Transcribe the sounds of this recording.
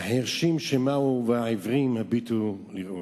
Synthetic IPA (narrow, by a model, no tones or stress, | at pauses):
hahiʁʃimʃemauveaivʁimhabit̪uliu